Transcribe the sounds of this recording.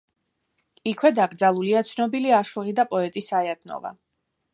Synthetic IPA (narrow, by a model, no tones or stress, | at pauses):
ikʰwɛd̪aɡɾd̪zalˠuliat̪sʰnɔbiliaʃuʁid̪apʼɔɛt̪ʼisajat̪̚ʰnɔ̰va̰